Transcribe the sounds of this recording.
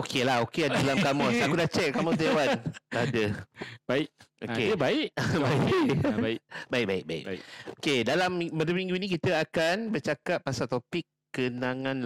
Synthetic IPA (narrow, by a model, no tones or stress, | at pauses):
okʰelaɦokeadadalamkamɔsakudat͡ʃɛk̚kamɔt̪ewandaadəbaɪʔokkebaiʔbai | baik̚baɪk̚baḭkokedalamiməndəmmĩŋɡunĩkit̪əakanbərt͡ʃakat̪̚pasat̪opɪkːənaŋãnl